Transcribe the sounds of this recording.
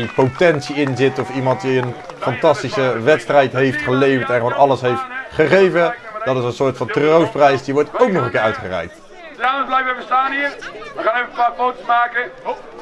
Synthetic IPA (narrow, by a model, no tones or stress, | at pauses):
ipowtɛntsiɪnzɪtɔfimɑnt̚diən | fɑntɑstisəʋɛtstrɛjtɦejftχəlejvəɹtɛnχəʋonɑləsɦejftχəχejvəd̥ɑtɪsənsʊːɹtfɑntrowsprɛjsdiʋɔɹtowknɔχəkɪːɹœɥtχərɛ̰jk̚t | lablɛjfəbəstaːnɦiːɹʋəχaːnɛfəpaːfowtəsmaːkə